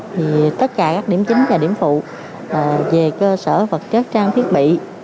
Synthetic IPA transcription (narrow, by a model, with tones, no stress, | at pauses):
t̪ʰi˨˩t̪ə˦˥t̚kaː˧˩kaː˦˥k̚ɗi˧˩əmt͡ɕï˨˦ŋ̟vaː˨˩ɗḭ˧˩əmfṵ˧˨˩ | ve˨˩kəː˧səː˧˩və˨˩t̚t͡ɕə˦˥t̚t͡ɕaː˧ŋt̪ʰi˦˥ət̚ɓḭ˧˨